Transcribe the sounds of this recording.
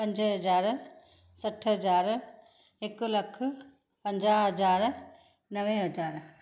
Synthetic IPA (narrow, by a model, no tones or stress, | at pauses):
pɐ̃ɲd͡ʒɦɐzaːɾ | sɐʈʰɦɐzaːɾ | ɪklɐkʰ | pɐ̃ɲd͡ʒaːɦɐzaːɾ | nɐʋeɦɐd͡ʒaːɾ